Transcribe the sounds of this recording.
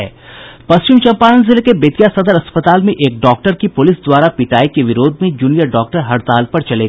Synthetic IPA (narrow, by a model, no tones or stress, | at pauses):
ɛ̰ːpɐst͡ʃɪmt͡ʃɐ̃mpaːnənzɪlekebet̪jasɐd̪əɾɐspət̪aːlmẽʔeːk̚ɖɔːk̚ʈəɾkipʊlɪsd̪waːɾapɪʈaːikeʋɪɾoːd̪ʱmẽd͡ʒuːnijəɾɖɔːk̚ʈəɾɦɐɽt̪aːlpɐɾt͡ʃɐleɡ